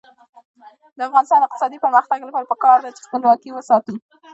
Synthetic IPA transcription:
d̪əafɣɑnɪst̪ɑnɪq̚t̪ɪ̥sɑd̪ipəɾməxt̪aɡlapɑɾapəkɑɾd̪at͡ʃe̥xpəlwɑkiwəsɑt̪ə

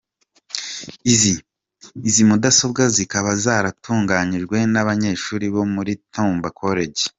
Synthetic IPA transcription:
iziː | zimudaso̞b̚ɡazikaβazaːɾatʰuːŋɡaɲiʒɡwe̞naβaɲe̞ːʃuːɾiβo̞muɾitʰuːmbakʰo̞ɾe̞ɟe

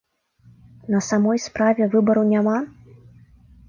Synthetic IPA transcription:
nɐsamɔjspɾavʲɛvɨbɐɾɐwnʲama

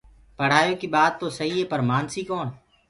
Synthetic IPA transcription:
pəɽ̤aːjoːkiːɓaːd̪̚t̪oːsəɦiːɦeːpəɾmaːnsiːkoːn

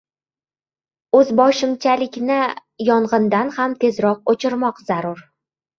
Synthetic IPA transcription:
ɵzbɒʃɪmt͡ʃʰalɪkʲnɪjɒɴʁɨnd̪anhamt̪ʰe̞zɾɒq̚ot͡ʃʰɪɾmɒqz̥aɾʊɾ

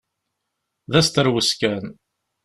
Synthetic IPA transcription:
ðæst̪əɾwəskæn

